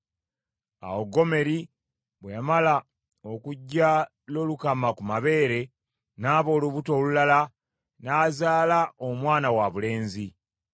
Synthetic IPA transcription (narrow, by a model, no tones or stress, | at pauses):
a̰woɡo̞me̞ɾi | βwejamala | okuɟːa | lo̞lukamakumaβe̞ːɾe̞ | naːβo̞ːluβuto̞ːlulala | naːzaːlaʔomwaːnawaβule̞ːnzi